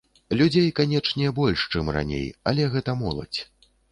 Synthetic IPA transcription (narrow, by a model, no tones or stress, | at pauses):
lʲud͡zʲejkanʲɛt͡ʂnʲɛbɔlʲʂt͡ʂɨmra̰nʲḛjɐlʲɛɣɛt̪ɐmɔlˠɐ̰t͡sʲ